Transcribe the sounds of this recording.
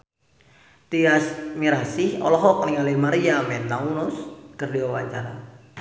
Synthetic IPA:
t̪iasmiɾasɪhɔ̰lɔɦɔk̚niŋalimaɾiamɛnt̪aŋunʊskərdiwawaɲt͡ʃa̰ɾa

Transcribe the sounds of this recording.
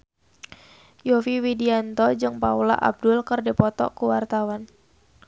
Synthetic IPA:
jɔfiwidiant̪ɔd͡ʒɨŋpaula̰ʔa̰b̚dʊlkɨrdipɔt̪ɔ̰kuwart̪awan

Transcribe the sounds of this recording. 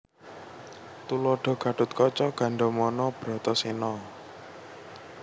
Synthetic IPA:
t̪ulɔɖ̥ɔ̤ɡ̥ä̤ɖ̥ʊt̪̚kɔt͡ʃɔɡ̥ä̤ɳɖɔmɔnɔb̥ɾɔt̪ɔsenɔ

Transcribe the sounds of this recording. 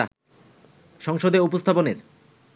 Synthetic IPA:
a | ʃɔŋʃod̪eupost̪ʰaboneɾ

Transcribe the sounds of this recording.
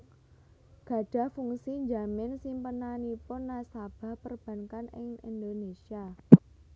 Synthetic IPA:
ɡ̥ä̤ɖ̥ä̤hfuŋsiɲd͡ʒamɪnsimpənanipʊnːasab̥a̤hpərb̥ä̤ŋkanɪ̰ŋḭnd̪onesia

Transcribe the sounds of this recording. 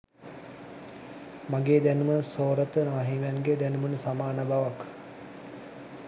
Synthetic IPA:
maɡeːd̪ænuməsoːɾət̪ənaːɦiʋanɡed̪ænumənəsamaːnəbaʋak

